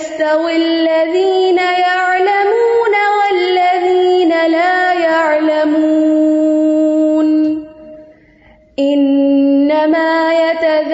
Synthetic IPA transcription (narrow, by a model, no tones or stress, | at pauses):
st̪awɪlːaðiːnajaʕlamuːnawalːaðiːnalaːjaʕlamuuː | n | ʔɪnːamaːjat̪að